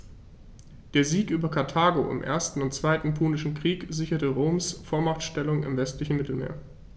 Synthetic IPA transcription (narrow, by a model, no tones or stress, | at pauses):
d̥eːɐziːkʔyːbɐkʰaɐtʰaːɡoʔɪ̰mʔḛːɐstn̩ʊntt͡sv̥aɪtn̩pʰuːnɪʃn̩kʁ̥iːkzɪçɐtəʁoːmsfoːɐmaχtʃtɛlʊŋɪ̰mvɛstlɪçn̩mɪtl̩mḛːɐ